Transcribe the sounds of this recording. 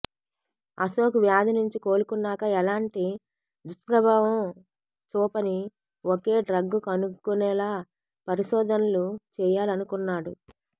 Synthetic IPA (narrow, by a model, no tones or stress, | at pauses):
ɐ̰soːkuʋjaːd̪inuɲt͡ʃiko̞ːlukunːaːkɐɛlaːɳʈi | d̪uʂʈpɾɐbʱaːʋɐm | t͡ʃɔːpɐni | oke̞ːɖɾɐɡːukɐnukːunɛːlaː | pɐɾiʃɔːd̪ʱɐnɐlut͡ʃɛːjaːlɐnukunːaːɽu